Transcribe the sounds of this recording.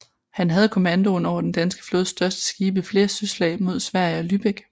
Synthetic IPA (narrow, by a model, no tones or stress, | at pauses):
hænɦæð̞̩ˠkʰo̝mænd̥o̝nɒʊ̰ɐd̥end̥ænsɡ̥ə̥flɔːðˠsd̥ɶɐsd̥ə̥sɡ̥iːb̥əifle̝ːɐsøslɛ̰ːmo̝ð̞̰ˠsʋæɐ̰jəɒ̽lyb̥eɡ̥